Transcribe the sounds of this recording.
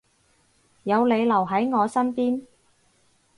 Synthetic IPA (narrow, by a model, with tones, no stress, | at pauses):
jɐ˨˧wle˨˧jlɐ˨˩wɦɐ˨˥jŋɔː˨˧sɐ˥npiː˥n